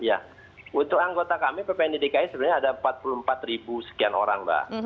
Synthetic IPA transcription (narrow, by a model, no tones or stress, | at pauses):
ja̰ | unt̪ʊk̚aŋɡot̪akamipapandidekaɪsəbnaɲaːdampat̪̚pulumpat̪ribusə̥kiano̰ɾaŋba̰